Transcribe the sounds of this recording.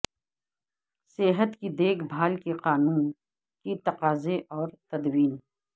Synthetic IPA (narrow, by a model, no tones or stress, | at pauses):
seɦət̪kid̪eːkʰbʱaːlkeqaːnuːn | kit̪ɐqaːzeʔɔːɾt̪ɐd̪wiːn